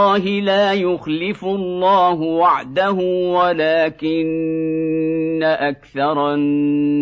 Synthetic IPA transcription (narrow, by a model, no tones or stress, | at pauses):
ɑːɦɪlaːjʊxlɪfʊʔllːɑːɦʊwaʕd̪ahʊːwalaːkɪn | aʔakθɑɾˤ